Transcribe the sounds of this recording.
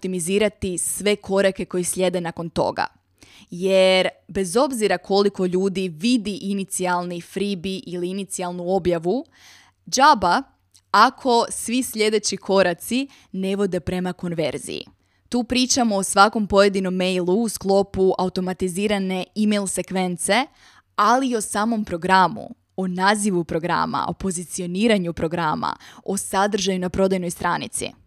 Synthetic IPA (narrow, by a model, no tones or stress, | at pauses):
ot̪imiziːɾat̪isʋe̞kʰo̞ɾake̞ko̞jislʲʎʲe̞d̪e̞nako̞nt̪o̞̰ɡa̰ | je̞ɾbe̞zo̞bziɾakʰo̞liko̞ʎuːd̪iʋid̪iʔinit̪sialˠnifɾibiʔiliinit̪sialˠnuo̞bjaʋu | d͡ʒaba | akʰo̞sʋisʎʲe̞d̪e̞t͡ɕikʰo̞ɾat̪si | neʋo̞d̪e̞pɾe̞mako̞nʋe̞̰ɾzḭḭ | t̪uːpɾiːt͡ʃamo̞ːsʋako̞mpo̞je̞d̪ino̞mːe̞jlˠuːsklˠo̞puʔaut̪o̞mat̪iziːɾane̞imejlˠse̞kʋe̞nt̪se̞ | aliːo̞saːmo̞mpɾo̞ɡɾamṵ | onaːziʋupɾo̞ɡɾa̰ma̰o̞̰po̞zit̪sio̞niːɾaɲupɾo̞ɡɾama̰o̞sad̪r̩ʒajunapɾo̞d̪ajno̞jst̪ɾaːnḭt̪sḭ